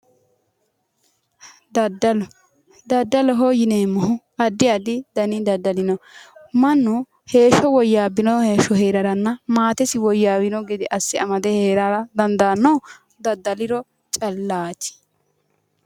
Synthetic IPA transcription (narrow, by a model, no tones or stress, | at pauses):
d̪ɐd̪ːɐlɔ | d̪ɐd̪ːɐlɔɦoːjɪneːmːɔɦʊ | ɐd̪ːɪjad̪ɪd̪ɐnɪd̪ɐd̪ːɐlɪnɔmɐnːʊ | he̞ːʃɔwɔjːaːbɪnɔheːʃɔhe̞ːɾɐɾɐnːɐmaːt̪ɛsɪwɔjːaːwɪnɔɡɛd̪ɪʔɐsːɪɐmɐd̪ɛheːɾaːɾɐd̪ɐnd̪ɐnːɔw | d̪ɐd̪ːɐlɪɾɔ | t͡ʃʼɐlːaːt͡ʃːɪ̥